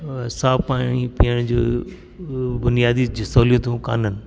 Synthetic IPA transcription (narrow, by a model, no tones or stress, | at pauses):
saːpaːɽ̃ipijəɽ̃d͡ʑoː | bʊnijaːd̪id͡ʑɐsoːlijũt̪ʰũka̰ːnənɪ